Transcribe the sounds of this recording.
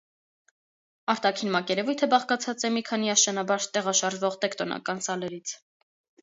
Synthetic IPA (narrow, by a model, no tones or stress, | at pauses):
ɑɾt̪ɑkʰinmɑkɛɾɛvujt̪ʰəbɑχkɑt͡sʰɑt͡sɛmikʰɑniɑʃɑnɑbɑɾt̪ɛʁɑʃɑɾʒvɔʁt̪ɛkt̪ɔnɑ̰kɑnsɑlɛɾit͡sʰ